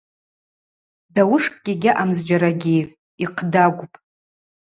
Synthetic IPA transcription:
dawʊʂkʼkʲʼɪɡʲɪʔamzd͡ʒaɾaɡʲejʕ | iqʰdaɡʷʊpʼ

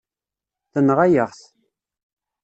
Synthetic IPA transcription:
θənʁajəʁθ

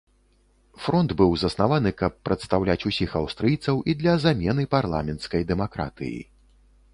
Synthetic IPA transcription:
fɾɔnd̪bɨwzɐsnavanɨkɐpːɾɐt̪st̪awlʲat͡sʲusʲixawst̪ɾɨjt̪sɐwʔid̪lʲɐzamʲɛn̪ɨparlˠa̰mʲɛnt̪skɐjd̪ɛmakɾa̰t̪ɨ̰jḭ

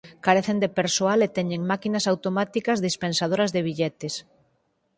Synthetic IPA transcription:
kaɾeθend̪epeɾsoalet̪ɛɲẽŋmakinɐsawt̪omat̪ikɐzðispensað̞oɾɐzðeβ̞iʎɛt̪es

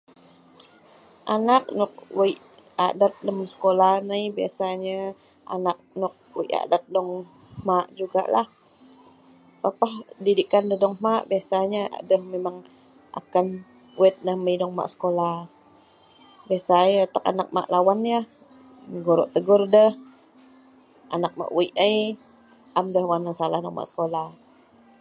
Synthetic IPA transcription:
ʔanak̚nɔk̚wəiʔ | a̰dat̪̚dəmsə̥kolahnəjbiasaɲa | ʔa̰nak̚nɔk̚wə̰iʔa̰dat̪̚dɔŋ | maʔd͡ʒuɡa̰ʔlah | papahdidikandəhdɔŋmaʔbiasaɲaʔa̰dəhmemaŋ | ʔa̰kan | wɛt̪̚nahməjdɔŋma̰ʔsə̥kolah | biasajt̪aka̰nak̚ma̰ʔlawanjah | ɡoɾɔʔt̪əɡʊrdəh | ʔa̰nak̚ma̰ʔw̰iʔəj | ʔamdəhwanasalahnɔk̚ma̰ʔsə̥kolah

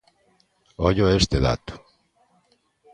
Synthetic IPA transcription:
ojoest̪eða̰t̪u̥

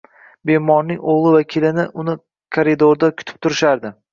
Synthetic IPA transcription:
be̞mɒɾnɪŋoʁlˠɪvakʲʰilɪnɪʔʊnɪ | kʰaɾid̪oɾd̪akʲʰʊt̪ɪ̥p̚t̪ʰʊɾɪʃaɾd̪ɪ

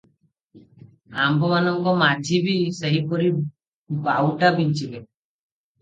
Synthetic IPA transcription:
ambɔmanɔŋkɔmad͡ʒʱibiseɦipɔɾi | bawʈabint͡ʃibe

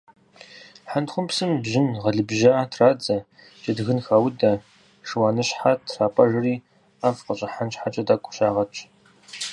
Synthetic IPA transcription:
ħantχʷʊmpsɨmbʑɪnʁɐɮɨbʒatʰraːd͡zɐ | t͡ʃʼɐdɨɣɨnxaːwʊdɐ | ʂɨwaːnɨɕħatʰraːpʼɐʒɨriː | afqəɕʼɐħanɕħat͡ʃʼɐdaːkʷʼʊ̥ɕaːʁɐt͡ʃʼ

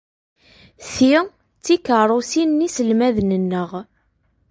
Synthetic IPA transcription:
θi | t͡sːikəɾˤosinnisəlmæðnənːəʁ

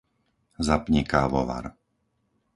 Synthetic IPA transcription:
zapɲɛkaːʋɔ̰ʋa̰ɾ

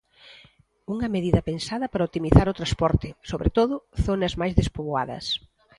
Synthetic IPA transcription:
uŋɐmeðiðɐpensaðɐpaɾɐot̪imiθaɾʊt̪ɾaspɔɾt̪ɪsoβɾet̪oðʊθonɐzmajzðespoβwa̰ðɐ̰s

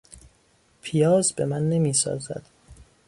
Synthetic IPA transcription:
pʰijɒːzbe̞mænːe̞miːsɒ̰ːzæ̰d̪̥

